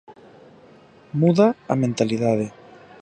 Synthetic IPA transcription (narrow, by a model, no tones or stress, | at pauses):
muðaamẽnt̪aliðaðe